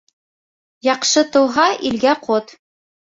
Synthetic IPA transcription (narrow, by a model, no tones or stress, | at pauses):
jɑqʃɤt̪ŏwɦɑʔilɡæqʰot̪